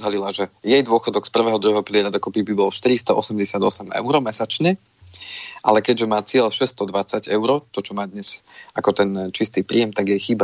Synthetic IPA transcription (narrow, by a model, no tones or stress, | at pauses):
d̪ɦalilaʒɛjɛjd̪ʊɔxɔd̪ɔkspr̩ʋɛːɦɔd̪ɾuɦɛɦɔpilɪɛɾad̪ɔkɔpibibɔlʃt̪iɾist̪ɔʔɔsɛmɟɛsɪad̪ɔ̰sɛmɛ̰ʊɾɔmɛsat͡ʃɲɛ | ʔa̰lɛkɛɟʒɛmaːt͡sɪɛʎʃɛst̪ɔd̪ʋat͡saɟɛʊɾɔt̪ɔt͡ʃɔmaːd̪ɲɛz̥akɔt̪ɛnt͡ʃist̪iːpɾḭːjɛmt̪aɡjɛjxiːba